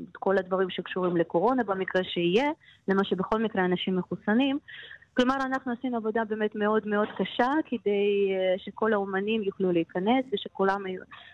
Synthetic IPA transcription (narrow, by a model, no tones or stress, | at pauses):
tko̞lad̪vaʁimʃe̞kʃuʁimle̞ko̞ʁo̞nabamikʁeʃeije̞lemaʃe̞beχo̞lmikʁeanaʃimːeχusanimklo̞maʁanaχnuasinuavo̞dabe̞ːme̞tme̞o̞dme̞o̞dkaʃakede̞jʃe̞ko̞laomanimjuχluleikane̞sve̞ʃe̞kulamju